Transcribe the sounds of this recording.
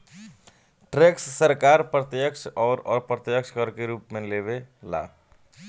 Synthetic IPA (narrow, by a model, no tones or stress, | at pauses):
ʈɾeksːəɾkaːɾpɾət̪jəkʃɔːɾɔːɾpɾət̪jəkʃkəɾkeɾuːpmẽleβela̰